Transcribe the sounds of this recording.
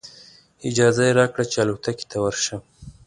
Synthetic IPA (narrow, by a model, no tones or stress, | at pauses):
ɪd͡ʒɑzajeɾɑkɽat͡ʃealut̪aki̥t̪ʰawəɾʃa